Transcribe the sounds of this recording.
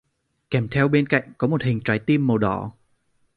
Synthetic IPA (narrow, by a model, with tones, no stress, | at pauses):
kɛ˧˩mt̪ʰɛ˧wɓe˧nka̰˧˨jŋ̟kɔ˨˦mo˨˩t̚hï˨˩ŋ̟t͡ɕaː˨˦jt̪i˧əmːə˨˩wɗɔ̰˧˩˦